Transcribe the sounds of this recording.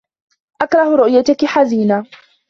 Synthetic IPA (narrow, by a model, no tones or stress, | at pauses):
ʔakɾˤɑhɾʊʔjat̪akɪħaziːnaː